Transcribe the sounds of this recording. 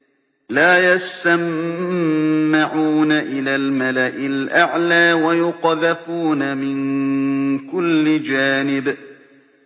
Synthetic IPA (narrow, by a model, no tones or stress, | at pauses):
laːjast̪am | aʕuːnaʔɪlaːlmalaʔɪlʔaʕlaːwajʊqɑðafuːnamɪn | kʊlːɪd͡ʒaːnɪb